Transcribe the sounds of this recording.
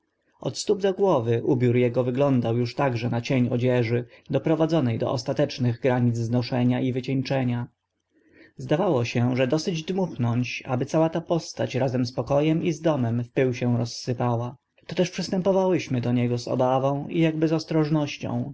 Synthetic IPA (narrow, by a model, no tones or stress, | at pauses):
ɔ̰t̪st̪ub̚d̪ɔɡwɔvɘʔubʲjuɾjɛɡɔvɘɡlɔnd̪awjuʂt̪aɡʐɛnat͡ɕeɲɔ̰d͡ʑɛʐɘd̪ɔpɾɔvad̪zɔnɛjd̪ɔ̰ʔɔst̪at̪ɛt͡ʂnɘɣɡɾaɲid̪zznɔʂɛɲaʔivɘt͡ɕɛɲt͡ʂɛɲa | zd̪avawɔɕɛʐɛd̪ɔsɘd͡ʑd̪muxnɔɲt͡ɕa̰bɘt̪sawat̪apɔst̪at͡ɕɾazɛmspɔkɔjɛmizd̪ɔmɛmfpɘwɕɛ̃ɾɔsːɘpawa | t̪ɔt̪ɛʂpʂɘst̪ɛmpɔvawɘɕmɘd̪ɔɲɛɡɔzɔ̰bavɔ̃w̃ijaɡbɘzɔst̪ɾɔʐnɔɕt͡ɕɔ̰̃w̃